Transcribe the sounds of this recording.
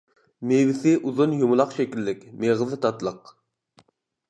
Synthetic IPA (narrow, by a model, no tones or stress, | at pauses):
mewɪsɪʔuzunjumʊlˠɑqʃɛkʲilːɪkʲmeʁɨzɨt̪ʰɑt̪lˠəq